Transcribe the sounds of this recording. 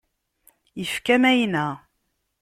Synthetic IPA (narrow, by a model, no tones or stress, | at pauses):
jəfkæmæjnæ